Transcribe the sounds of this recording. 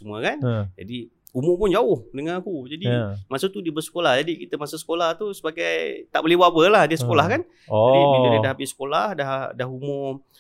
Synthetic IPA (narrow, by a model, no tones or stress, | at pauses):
t͡ʃuməkand͡ʒa̰di | umʊʔpʊnd͡ʒaʊhdəŋanakud͡ʒadimasut̪udiəbərsə̥kolahd͡ʒadikit̪əmasasə̥kolaht̪usə̥pakajt̪a̰ʔbolihbabəlahdiəsə̥kolahkan | adibiləədaɦapɪsə̥kolahdaɦdaɦumʊ